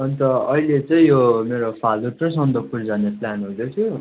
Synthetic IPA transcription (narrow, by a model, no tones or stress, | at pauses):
ʌnt̪ʌʌilet͡sʌĩjomeɾopʰaluʈt͡sʌjsʌnd̪ʌpuɾd͡zaneplanɦud̪jot̪ʰjo